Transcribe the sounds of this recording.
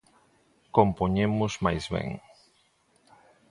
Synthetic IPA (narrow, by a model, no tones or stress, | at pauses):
kompoɲemʊzmajzβɛ̰ŋ